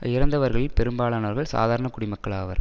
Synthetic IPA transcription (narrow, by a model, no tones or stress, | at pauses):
ɪɾɐnd̪ɐʋɐɾɣɐɭɪlpɛɾɯmbaːɭaːnɐʋɐɾɣɐɭsa̰ːðaːɾɐɳɐkʊɽɪmɐkːɐɭaːʋɐ̰ɾ